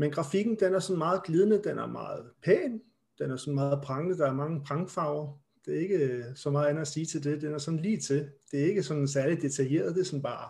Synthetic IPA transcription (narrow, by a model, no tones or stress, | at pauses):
menɡ̥ʁɑ̈fiɡ̥n̩d̥enæɐsɒ̽n̩mɑ̈ːð̩ˠɡ̥liːð̞ˠənəd̥enæɐmɑ̰̈ːð̞̩ˠpʰɛ̰ːn | d̥enæɐsɒ̽n̩mɑ̈ːð̞̩ˠpʰʁɑ̈ŋnəd̥ɑ̈æɐmɑ̈ŋəpʰʁɑ̈ŋfɑ̈ʊɐ | d̥e̝æɐe̝ɡ̥əsɒmɑ̈ːð̩ˠæn̩ˠæsiːt͡sʰe̝ld̥e̝d̥enæɐsɒ̽n̩liːt͡sʰe̝ld̥e̝æɐe̝ɡ̥əsɒ̽n̥sæɐlidd̥e̝t͡sʰæje̝̰ːɐð̞ˠd̥e̝sɒ̽nb̥ɑ̰̈ː